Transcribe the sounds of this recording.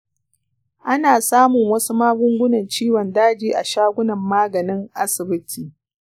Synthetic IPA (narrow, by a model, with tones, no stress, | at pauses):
ʔa˦naː˨saː˦mʊ˨ŋwɐ˦su˦maː˦ɡʷʊ˦ŋɡʷʊ˦nɐ˨nt͡ʃiː˦wɔ˨ndaː˦d͡ʒiː˨ʔa˨ʃaː˦ɡʷʊ˦nɐ˨mːaː˦ɡɐ˨nɪ˦ŋʔa˦sɪ˨bɪ˦tʰiː˨